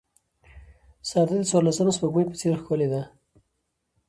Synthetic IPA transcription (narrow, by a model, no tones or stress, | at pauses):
sɑɾd̪ed̪ət͡swɑɾlasəmaspəɡməjpə̥t͡seɾxkoled̪a